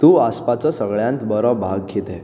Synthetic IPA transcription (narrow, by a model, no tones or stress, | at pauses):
t̪ũːaspat͡səsəɡɭjãnt̪bəɾɔbʱaɡ̚ket̪e